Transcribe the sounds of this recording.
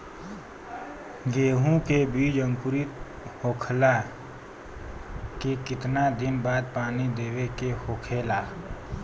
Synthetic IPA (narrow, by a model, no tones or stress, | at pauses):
ɡeːɦũkebiːd͡ʒə̃ŋkʊɾɪt̪ | hoːkʰla | kekɪt̪nad̪ɪnbaːd̪̚paːnid̪eːwekehoːkʰeːlaː